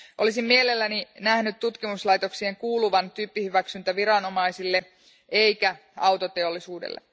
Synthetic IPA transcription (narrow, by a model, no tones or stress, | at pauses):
ʔo̞lisimmie̞le̞lːæninæhnyt̪t̪ːut̪kimuslɑjt̪o̞ksieŋkuːluʋɑnt̪yːpːihyʋæksynt̪æʋiɾɑno̞mɑisilːe̞ | e̞jkæ | ɑwt̪o̞t̪e̞olːisuːdḛlːḛ